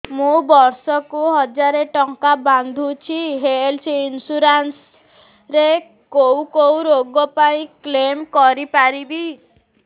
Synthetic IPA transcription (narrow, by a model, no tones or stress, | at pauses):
mũbɔɾsɔkuɦɔd͡ʒaɾeʈɔŋkaband̪ʱut͡ʃʰiɦelsʰiːnsuɾans | ɾe | kowkowɾoɡɔpaĩklemkɔɾipaɾibi